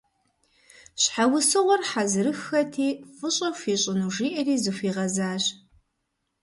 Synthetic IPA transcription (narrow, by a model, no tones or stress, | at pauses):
ɕħawʊsɨʁʷɔrħazɨɾɨxːɐtʰiːfɨɕʼɐfiːɕʼɪnuːʒiːʔɐriːzɨfʷiːʁɐzaːʑ